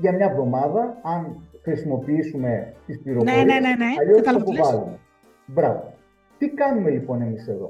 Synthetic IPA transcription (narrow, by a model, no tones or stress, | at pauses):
ʝɐmɲɐvðo̞mɐðɐɐnxɾisimo̞piisume̞t̪ispiɾovoɾieɐliosɐpuvɐlume | bɾɐvo | t̪ikɐnume̞lipo̞ne̞mise̞ðo̞̰